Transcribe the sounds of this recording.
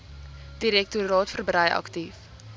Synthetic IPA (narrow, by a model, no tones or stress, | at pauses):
d̥iɾɛk̚tuɾɑːtfərbrəjɐ̰ktif